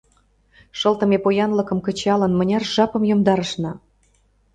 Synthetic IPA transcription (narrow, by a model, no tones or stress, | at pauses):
ʃɤ̆lt̪ə̆mepojɑnlɤ̆kɤ̆mkə̆t͡ɕɑlə̆nmə̆nʲɑrʒɑpɤ̆mjomd̪ɑɾə̆ʃnɤ̆